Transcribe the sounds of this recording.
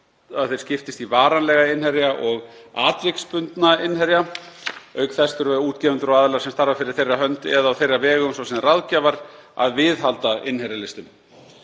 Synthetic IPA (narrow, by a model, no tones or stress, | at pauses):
aθej̥scɪft̪ɪst̪ivaːɾanlɛɣaɪnhɛɾjaʔɔɣaːt̪vɪkspʏnt̪naɪnhɛɾja | œːɥkθɛst̪ʏɾvɛuːt̪cɛvʏnt̪ʏɾɔɣaːðlaɾsɛmst̪aɾvafɪɾɪɾ̥θejrːaɦœnt̪ɛðaawθejrːavɛːɣʏmsɔsɛmraðcavaɾ | a̰ðvɪðɦalt̪aɪnhɛɾjalɪst̪ʏm